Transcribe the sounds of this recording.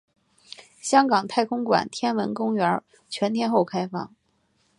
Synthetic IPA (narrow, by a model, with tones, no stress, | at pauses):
ɕjɑ˥ŋkɑ˨˩ŋt̪ʰa˥˩ɪkʰʊ˥ŋkwa̰˨˩nt̪ʰjɛ˥nwə˧˥nkʊ˥ŋɥə˧˥ | t͡ɕʰɥɛ˧˥nt̪ʰjɛ˥nxo˥˩ʊkʰa˥ɪfɑ̰˥˩ŋ